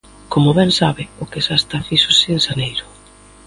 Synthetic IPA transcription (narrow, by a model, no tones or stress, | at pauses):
komʊβɛnsaβɪʊkesast̪afiʃosɪːŋsanejɾʊ